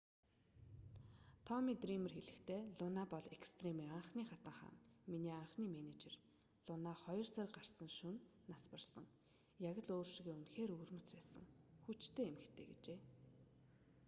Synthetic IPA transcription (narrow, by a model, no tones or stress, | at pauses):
t̪ʰɔmiːt̪rimə̆rxeɮɘ̆xt̪ʰeːɮʊnaːpɔɮekst̪ʰremiːaɴχniːχat̪ə̆ɴχa̰ːnminiːaɴχniːmenet͡ɕḛr | ɮʊnaχɔjɞ̆rsarʲɢar̥sə̆nʃunː | aspə̆rsə̰̆ŋ | jaɣə̆ɮoːrʃiɣeːunxeːɾuːrmɵ̆t͡spæːsə̰̆ŋxut͡ɕt̪ʰeːemɘ̆xt̪ʰeːɡet͡ɕeː